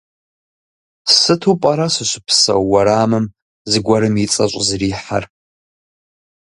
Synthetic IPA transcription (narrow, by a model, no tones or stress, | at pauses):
sɨtʰupʼɐɾɐsɨʃʷɪpʰsɐ̰wːɐɾaːmɨm | zɨɡʷɐɾɨmit͡sʼɐɕʷʼzriːħa̰r